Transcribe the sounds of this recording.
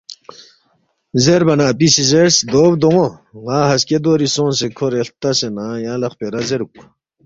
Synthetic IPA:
zeɾbɐnaːpisizeɾsd̪oːbd̪oŋoŋaːɦɐsked̪oːɾisõːns̬ekʰoɾeɬt̪ɐsenajãːlɐχpeɾɐzeɾuk̚

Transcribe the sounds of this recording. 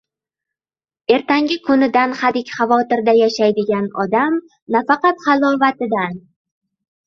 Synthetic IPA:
e̞ɾt̪ʰaŋɡʲɪkʰʊnɪd̪anχad̪ɪkʲχɑvɒt̪ɪɾd̪ajaʃajd̪ɪɡʲanɒd̪am | nafɑqɑt̪χɑlˠɒvat̪ɪd̪an

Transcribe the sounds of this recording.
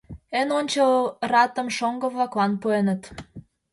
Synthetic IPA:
enonʲt͡ɕəlrɑt̪ə̆mʃoŋɡə̆βlɑklɑnpuenət̪

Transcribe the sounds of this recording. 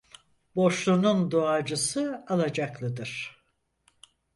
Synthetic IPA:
bo̞ʃlˠunund̪oad͡ʒɯsɯalˠad͡ʒaklˠɯd̪ɯɾ̝̥

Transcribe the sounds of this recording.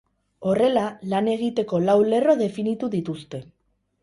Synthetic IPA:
o̞re̞lalane̞ɣ̞it̪e̞ko̞lawle̞ro̞ðe̞finit̪uðit̪ust̪e̞

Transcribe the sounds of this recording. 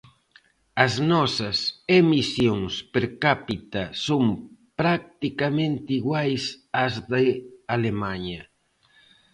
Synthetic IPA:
ɐznɔsɐsemisjoŋspeɾkapit̪asompɾak̚t̪ikamẽnt̪iɣwajsazðealemaɲɐ

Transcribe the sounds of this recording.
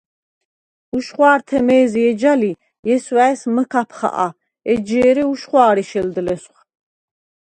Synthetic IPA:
uʃχwaːɾt̪ʰɛmɛːziɛd͡ʒali | jɛswæɛsməkʰapʰχa̰ʔa̰ | ɛd͡ʒɛːɾɛuʃχwaːɾiʃɛld̪lɛsχ

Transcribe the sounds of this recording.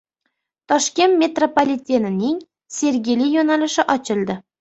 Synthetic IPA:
t̪ʰɒʃkʲe̞nt̪mʲe̞t̪ropolʲit̪ʲenɪnɪŋ | sʲe̞ɾɡʲejlɪjonalɪʃɪʔɒt͡ʃʰɪlˠd̪ɪ

